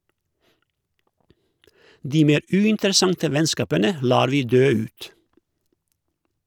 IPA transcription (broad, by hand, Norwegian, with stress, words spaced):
ˈdiː ˈmeːɾ ˈʉːɪntəɾəˌsɑntə ˈʋɛnˌskɑːpənə ˈlɑːɾ ˈʋiː ˈdøː ˈʉːt